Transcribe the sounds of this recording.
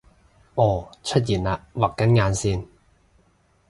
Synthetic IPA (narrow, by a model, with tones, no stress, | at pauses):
ʔɔː˨˧˩t͡ʃʰɵ˥t̚jiː˨˩nlaː˧waː˨kkːɐ˥nŋaː˧nsiː˥˩n